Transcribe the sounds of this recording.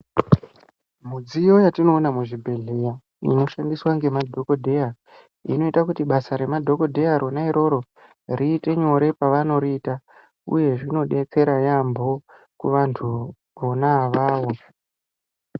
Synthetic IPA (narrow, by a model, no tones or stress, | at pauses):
m̤ud͡zijo̞jatino̞ːnamuʐibʱe̞ɮe̞ja | ḭno̞ʃandiswaŋɡe̞madʱo̞ko̞dʱe̞a | ḭno̞itakutiɓasaɾe̞madʱo̞ko̞dʱe̞jaɾo̞naiɾo̞ɾo̞ | riːte̞ɲo̞ɾe̞paʋano̞ɾiiːta | ṵje̞ʐino̞ɗe̞t͡se̞ɾajambo̞ | kuʋantʰu | ʋonaʋaːʋo̞